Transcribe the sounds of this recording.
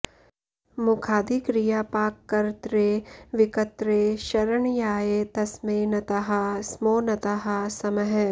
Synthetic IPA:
mʊkʰaːd̪ʱikɾijaːpaːkːɐɾt̪ɾeːʋɪkɐt̪ɾeːʃɐɾəɳjaːjeːt̪ɐsmeːnɐt̪aɦɐsmoːnɐt̪aɦɐsɐməɦ

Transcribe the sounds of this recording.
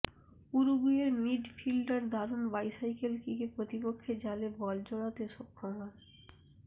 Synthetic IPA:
uɾuɡueɾmiɖfilɖaɾd̪ʱaɾunbajsajkelkikepɾot̪ipokʰːed͡ʑalebɔld͡ʑoɽat̪eʃokʰːomɦɔn

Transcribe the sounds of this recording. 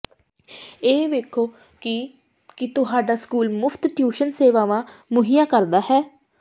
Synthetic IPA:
eːʋeːkʰoː | kɪt̪ʊɦaːɖaːskuːlmʊpʰt̪ʈjuːʃənseːʋaːʋãːmʊɦɪjãːkəɾd̪aːɦɛː

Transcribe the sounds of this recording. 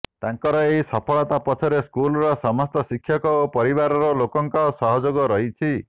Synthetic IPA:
t̪aŋkɔɾɔejsɔpʰɔɭɔt̪apɔt͡ʃʰɔɾeskulɔɾɔsɔmɔst̪ɔsikʰːjɔkɔopɔɾiβaɾɔɾɔlokɔŋkɔsɔɦɔd͡ʒoɡɔɾɔɦit͡ʃʰi

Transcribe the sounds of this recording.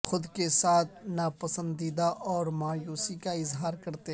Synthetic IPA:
xʊd̪kesaːt̪̚ʰnapɐsə̃nd̪iːd̪aʔɔːɾmaːjuːsikaɪzɦaːɾkɐɾt̪e

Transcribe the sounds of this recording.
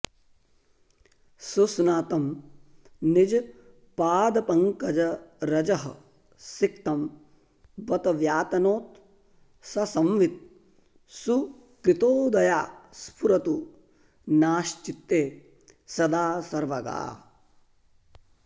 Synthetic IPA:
susnaːt̪ɐm | nid͡ʒ | paːd̪ɐpɐŋkɐd͡ʒɐɾɐd͡ʒɐɦɐ̰ | sik̚t̪ɐm | bɐt̪ɐʋjaːt̪ɐnoːt̪ | sɐsɐmʋit̪̚ | su | kɾit̪oːd̪ɐjaːspʰuɾɐt̪u | naːʃt͡ʃit̪ːeː | sɐd̪aːsɐɾʋɐɡa̰ː

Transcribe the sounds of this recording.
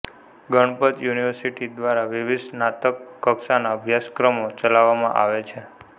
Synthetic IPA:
ɡəɳ̃pət̪juniʋəɾsiʈid̪ʋaɾaʋɪʋɪsnat̪əkːəksanaəbʱjaskɾəmot͡ʃəlaʋːamã̰ʔa̰ʋet͡ʃʰe

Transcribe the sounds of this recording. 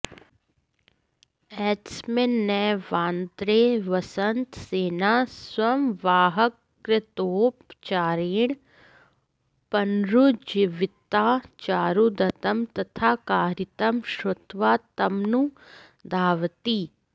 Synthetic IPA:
ɛːʈsmẽnɛːʋaːnt̪ɾeʋɐsənt̪seːnaːswɐmʋaːɦəkː | ɾɪt̪oːpt͡ʃaːɾiːɳ̃ | pɐnɾud͡ʒiʋɪt̪aːt͡ʃaːɾud̪ɐt̪əmt̪ɐt̪ʰaːkaːɾɪt̪ɐmʃɾʊt̪ʋaːt̪ɐmnu | d̪ʱaːʋt̪iː

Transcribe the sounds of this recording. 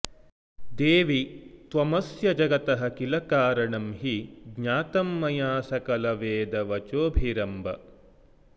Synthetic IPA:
d̪eːʋit̪ʋɐmɐsjɐd͡ʒɐɡɐt̪ɐɦɐkilɐkaːɾɐɳɐmɦiɡɲaːt̪ɐmːɐjaːsɐkɐlɐʋeːd̪ɐʋɐt͡ʃoːbʱiɾɐmbɐ̰

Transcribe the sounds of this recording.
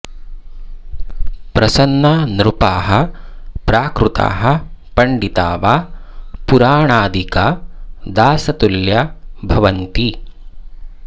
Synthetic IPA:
pɾɐsɐnːɐnɾupaːɦɐ̆pɾaːkɾut̪a̰ːɦɐ̆pɐɳɖit̪aːʋaːpuɾaːɳaːd̪ʱikaːd̪aːsɐt̪uljɐbʱɐʋɐnt̪i

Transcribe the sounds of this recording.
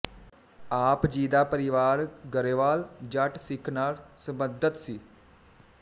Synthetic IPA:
aːpd͡ʒiːd̪aːpəɾɪʋaːɾɡəɾeʋaːld͡ʒəʈsɪkʰnaːlsəbəd̪ət̪siː

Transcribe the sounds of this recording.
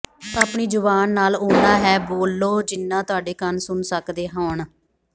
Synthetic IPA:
aːpɳiːd͡ʒʊʋaːnːaːloːnaːɦɛːboːlːoːd͡ʒɪnːãːt̪ʊaːɖeːkənsʊnsəkd̪eːɦaːɳaː

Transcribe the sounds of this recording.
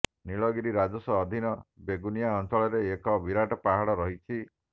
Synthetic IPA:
niɭɔɡiɾiɾad͡ʒɔsɔːd̪ʱinɔbeɡunijaɔnt͡ʃɔɭɔɾeːkɔbiɾaʈɔpaɦaɽɔɾɔɦit͡ʃʰi

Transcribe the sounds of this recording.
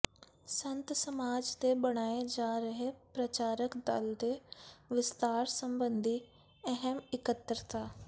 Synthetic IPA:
sɐ̃nt̪sɐmaːd͡ʑt̪eɓɐɽ̃aːed͡ʒaːɾɐɦepɾɐt͡ɕaːɾəkd̪ɐ̰ld̪eʋɪst̪aːɾsɐ̃mbə̃nd̪ʱi | ɛɦəmɪkət̪ːɾt̪ʰaː

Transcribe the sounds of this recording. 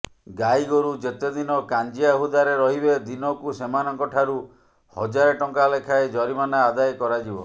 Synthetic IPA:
ɡajɡoɾud͡ʒet̪ed̪inɔkand͡ʒiaɦud̪aɾeɾɔɦibed̪inɔkusemanɔŋkɔʈʰaɾu | hɔ̰d͡ʒaɾeʈɔŋkalekʰaed͡ʒɔɾimanaːd̪ajkɔɾad͡ʒibɔ

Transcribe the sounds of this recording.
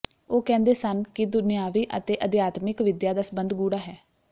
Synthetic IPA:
oːkɛ̃ːnd̪eːsənkɪd̪ʊnɪjaːʋiːʔə̰t̪eːʔəd̪jaːt̪mɪkʋɪd̪jaːd̪aːsəbənd̪ɡuːɽaːɦɛː

